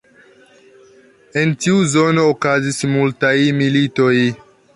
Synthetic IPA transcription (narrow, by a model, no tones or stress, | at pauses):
entiuzo̞no̞ːkazismultajmilitoj